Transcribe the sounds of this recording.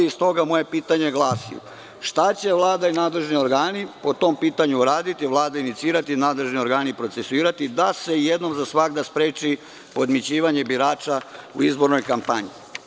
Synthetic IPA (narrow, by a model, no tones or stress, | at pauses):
ist̪o̞ɡamo̞je̞piːt̪aɲe̞ɡlˠaːsḭjṵ | ʃt̪at͡ɕe̞ʋlˠaːd̪ainaːd̪le̞ʒnio̞ɾɡaːnipo̞t̪o̞mpiːt̪aɲuuɾaːd̪it̪iʋlˠaːd̪ainit̪siːɾat̪inaːd̪le̞ʒnio̞ɾɡaːnipɾo̞t̪se̞suiːɾat̪id̪ase̞jed̪no̞mzasʋaɡd̪aspɾeːt͡ʃi | po̞d̪mit͡ɕiːʋaɲe̞biɾaːt͡ʃaṵizbo̞ɾno̞jkampaɲi